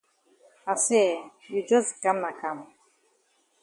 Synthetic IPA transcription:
a˨sɛ˦˨ | ju˨d͡ʒɔ˦zi˨ka˦mna˨ka˦˨m

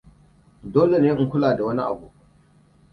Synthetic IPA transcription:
doː˦le˨neː˦ʔŋ˦kʷʊ˦laː˨da˨wɐ˦ni˦ʔa̰˨bu˨ʔ

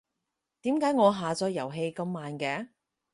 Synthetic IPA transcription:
t̪iː˨˥mkaː˨˥jŋɔː˨˧ɦaː˨t͡sɔː˨˥jɐ˨˩wɦe˧jkɐ˧mːaː˨nkɛː˧˥

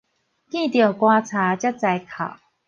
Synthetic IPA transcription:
kĩ˥˨t̪jo˨˩kwa˧t͡sʰa˨˦t͡ɕja˥˩t͡sa˨˧˦jkʰa̰˨˩ʊ

